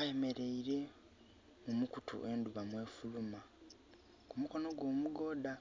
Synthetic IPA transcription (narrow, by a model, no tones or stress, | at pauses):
aje̞me̞ɾe̞iɾe̞ | mumukutʰṵʔe̞ːnduβamwe̞ːfuluma | kumuko̞no̞ɡwo̞ːmuɡo̞ːda